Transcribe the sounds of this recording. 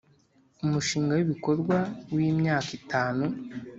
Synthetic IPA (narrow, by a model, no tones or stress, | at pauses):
umuʃiːŋɡawiβiko̞ɾɡwawiːmɲaːkitaːnu